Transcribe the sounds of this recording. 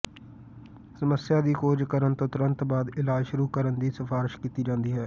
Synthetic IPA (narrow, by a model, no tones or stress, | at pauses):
səməsjaːd̪iːkoːd͡ʒkəɾənt̪õːt̪ʊɾə̃nt̪baːd̪ɪlaːd͡ʒʃʊɾuːkəɾənd̪iːsəfʰaːɾɪʃkiːt̪iːd͡ʒãːnd̪iːɦɛː